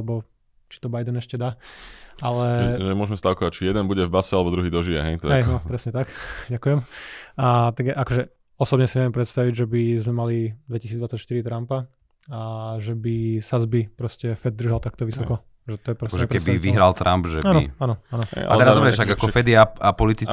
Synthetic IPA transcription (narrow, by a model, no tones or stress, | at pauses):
ɛbɔ | t͡ʃi̥t̪ɔbajd̪ɛnɛʃcɛd̪aː | alɛʒɛmʊɔʒmɛst̪aʊkɔact͡ʃijɛd̪ɛnbuɟɛvbasɛalɛbɔd̪ɾuɦiːd̪ɔʒiɛ̰ɦɛjt̪ɔɦɛjnɔpɾɛsɲɛt̪akɟakujɛm | t̪aɡaʔakɔʒɛ | ɔsɔbɲɛsiɲɛʋjɛmpɾɛt̪st̪aʋiɟʒɛbizmɛmalid̪ʋɛcisiːd͡zd̪ʋat͡sːacʃt̪iɾit̪ɾampa | ʒɛbisazbipɾɔscɛfɛd̪̚d̪r̩ʒalt̪akt̪ɔʋisɔkɔ | ʒɛt̪ɔjɛpɾɔaskɔʒɛɛpkɛbiʋiɦɾalt̪ɾʔambʒɛaːnɔḭanɔanɔ̰at̪ɛɾabɛʃt̪aɡakɔfɛd̪iaapɔlit̪i